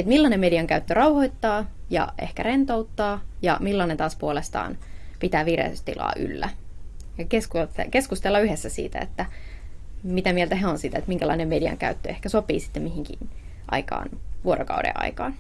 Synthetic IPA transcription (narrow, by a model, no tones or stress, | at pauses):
et̪milːɑnemediɑŋkæyt̪ːørɑwhoit̪ːɑːjɑ̰ʔḛhkærent̪ouwt̪ːɑːjɑ̰milːɑnent̪ɑːspuolest̪ɑ̰ːnpit̪æːʋirḛsest̪ḭlɑ̰ːʔy̰lːæ | jɑkeskuekeskust̪elːɑyhesːæsḭːt̪æ̰ḛt̪ːæ | mit̪æmielt̪æɦeonsit̪æet̪miŋkælɑinemediɑ̰ŋkæ̰yt̪ːø̰ehkæsopḭːsi̥t̪ːemihiŋkḭn | ʔɑ̰ikɑ̰ːnʋuoɾʔo̰kɑudḛɑ̰ikɑːn